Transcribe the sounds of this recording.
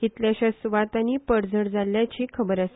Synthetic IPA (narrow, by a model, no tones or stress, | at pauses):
kit̪ljaɕasʋat̪aniːpəɽd͡zəɽd͡zalːjat͡ɕiːkʰəbəɾase